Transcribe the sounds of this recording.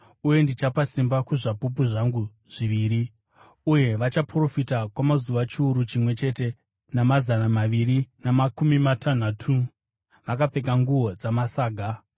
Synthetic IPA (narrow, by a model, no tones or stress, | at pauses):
uje̞ndit͡ʃapasimbakuʐapup̬uʐaŋɡu | ʐ̥iʋiːɾi | uje̞ʋat͡ʃapro̞fitakwamazuʋat͡ʃiuɾut͡ʃimwe̞t͡ʃe̞te̞ | namazanamaʋirinamakumimatʰan̤aːtʰu | ʋakap͡fe̞kaŋɡuʋo̞d͡zamasaːɡʱa